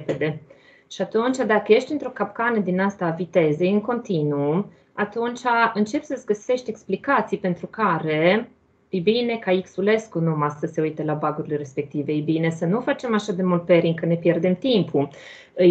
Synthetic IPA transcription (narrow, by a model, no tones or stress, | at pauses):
ped̪e̞ | ʃiat̪unt͡ʃad̪akəje̞ʃt̪ʲiɨnt̪ɾo̞kap̚kanəd̪inast̪avit̪e̞zejɨŋko̞nt̪inu | at̪unt͡ʃaɨnt͡ʃe̞psəsɡəse̞ʃt̪ʲe̞ksplikat̪sijpe̞nt̪ɾukaɾe̞ | fibine̞kaiksule̞skunumassəse̞ujt̪əlabaɡuɾilere̞spe̞k̚t̪iveebine̞sənufat͡ʃe̞maʃad̪e̞mult̪̚pe̞ɾiŋkəne̞pje̞rd̪e̞mt̪impʰu | ɨj